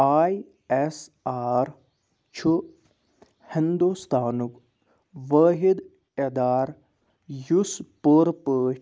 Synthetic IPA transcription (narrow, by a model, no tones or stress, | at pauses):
aːi | esaːɾ | t͡ʃʰu | hɪnd̪ust̪ʰaːnuk | ʋəːɦid̪ | ed̪aːɾ | juspoːɾpəː